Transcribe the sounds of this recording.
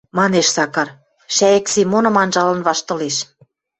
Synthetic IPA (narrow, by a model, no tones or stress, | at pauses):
mɑneʃsɑkɑr | ʃæjĕksimonɤ̆mɑnʒɑlɤ̆nβɑʃt̪ɤ̆leʃ